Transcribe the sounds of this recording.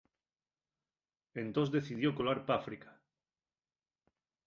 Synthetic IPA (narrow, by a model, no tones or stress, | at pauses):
ẽnt̪o̞zd̪e̞θiðjo̞ko̞laɾpafɾikḁ